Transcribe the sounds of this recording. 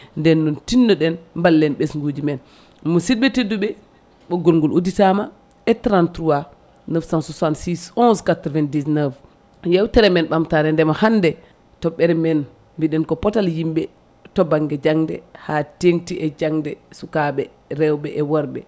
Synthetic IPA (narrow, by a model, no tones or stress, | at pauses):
ndɛnːuntindɔɗɛnmbalːɛnɓesŋɡud͡ʒimɛn | musidɓɛteduɓɛ | ɓɔɡolŋɡulʔuditama | ɛtɾantɾuwa | nəfsansusansisɔnskatɾvɛndisnav | jɛwtɛɾɛmɛnɓamtaɾɛndɛmahandɛ | tɔɓːɛɾɛmɛn | mbiɗɛnkɔpɔtaljimɓɛ | tɔbaŋɡɛd͡ʒaŋdɛ̰hatentiʔɛd͡ʒaŋdɛsukaɓɛ | ɾɛwɓɛʔɛwɔɾɓɛ